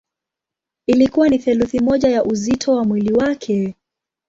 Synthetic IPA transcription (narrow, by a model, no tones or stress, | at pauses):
ilikuwaniθɛluθimɔʄajaʔuzitʰɔwamwiliwakʰɛ